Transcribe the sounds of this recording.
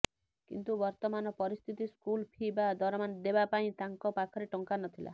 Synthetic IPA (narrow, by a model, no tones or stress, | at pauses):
kḭnt̪ubɔɾt̪ɔmanɔpɔɾist̪ʰit̪iskulpʰibad̪ʱɔɾɔmand̪ebapaĩt̪aŋkɔpakʰɔɾeʈɔŋkanɔt̪ʰila̰